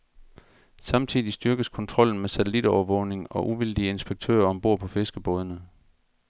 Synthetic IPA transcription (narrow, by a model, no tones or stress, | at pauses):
sɑ̈mt͡sʰiðˠisd̥yɐɡ̥əskʰɒ̽nt͡sʰʁɒ̽l̰n̩mesæt͡sʰelid̥ɒʊɐʋɔ̽ʊne̝ŋɒ̽ʔuʋil̰d̥ie̝nsb̥eɡ̥̚t͡sʰø̰ːɐɒ̽mb̥o̝ɐ̰pʰɒ̽fe̝sɡ̥əb̥ɔ̽ːð̞ˠnə